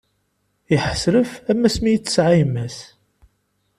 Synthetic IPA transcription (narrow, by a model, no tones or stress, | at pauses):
jəħəsɾəfæmːæsmijət͡sːə̥sʕajmːæs